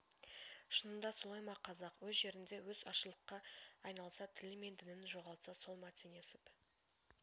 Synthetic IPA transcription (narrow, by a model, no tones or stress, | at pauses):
ʃənənd̪ɑsolˠɑjmɑqʰːɑzɑqwɵzʒe̞ɾɪnd̪e̞wɵzɑʃəlˠəqːɑːjnɑlˠəsɑt̪ʰɪlɪme̞nd̪ɪnɪnʒo̞ʁɑlˠt̪sɑso̞lˠmɑt̪ʰene̞sɪp